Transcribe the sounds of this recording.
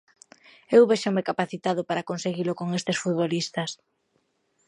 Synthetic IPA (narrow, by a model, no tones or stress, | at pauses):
ewβeʃamekapaθit̪aðʊpaɾakonseɣilʊkoŋest̪esfut̪βolist̪ɐs